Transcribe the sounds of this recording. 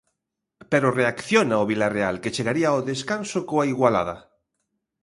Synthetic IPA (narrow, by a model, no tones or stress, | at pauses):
peɾoreakθjonaoβilarealket͡ʃeɣaɾiaoðeskansokoaiɣwala̰ðɐ